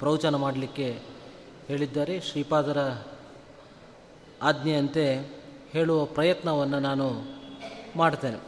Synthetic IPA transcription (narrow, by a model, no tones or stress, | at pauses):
pɾɐwt͡ʃanɐmaːɽɐlikːe̞ | he̞ːɭid̪ːaːɾe̞ʃɾiːpaːd̪ɐɾɐ | aːd̪nɐɐnt̪e̞ | he̞ːɭuʋɐpɾɐjɐt̪nɐʋɐnːɐnaːnu | maːɽt̪eːnḛ